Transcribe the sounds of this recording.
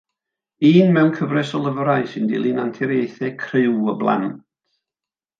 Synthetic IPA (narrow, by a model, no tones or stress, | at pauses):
iːnmɛwnkʰəvrɛsɔlˠəvəɾaɨsɪndɪ̰lˠinantʰɛɾejθɛkʰrɪwəblˠa̰nt